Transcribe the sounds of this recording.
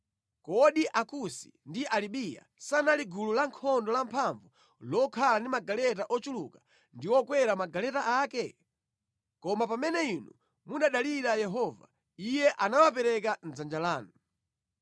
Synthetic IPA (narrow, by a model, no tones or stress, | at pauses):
kɔɗiʔakusi̥̰ndiʔaliɓija̰sanaliɡululaŋkʰɔndɔlampʰaɱvu | lɔkʰalandimaɡalɛt̬aʔɔt͡ʃulṵkḁ | ndiwɔkwɛɾamaɡalɛtaʔaːkɛ | kɔmapamɛnɛinṵ | muɗaɗaliɾajɛɦɔva̰ | ijɛʔanawap̬ɛɾɛkan̩d͡zand͡ʒalaːnu